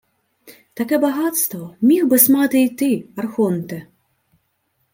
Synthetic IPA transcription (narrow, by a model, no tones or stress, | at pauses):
t̪akɛbaɣat̪st̪vɔmʲixbɨsmat̪ɨjt̪ɨarxɔnt̪ɛ